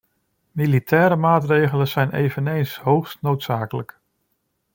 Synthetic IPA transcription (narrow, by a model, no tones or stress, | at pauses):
militʰɛːɾəmaːtrejχələnz̥ɛjnḛjvənejnsɦowχstnowtsaːkələk